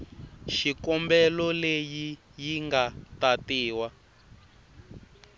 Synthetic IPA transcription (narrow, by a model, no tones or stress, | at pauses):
ʃikɔmbɛlɔleji | jiŋɡatatiːwa